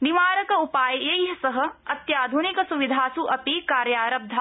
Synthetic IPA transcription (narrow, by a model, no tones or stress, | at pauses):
niʋaːɾɐkɐupaːjjɐɦɐsɐɦɐ̆ɐt̪jaːd̪ʱunɪkɐsuʋid̪ʱaːsuʔɐpikaːɾjaːɾɐb̚d̪ʱa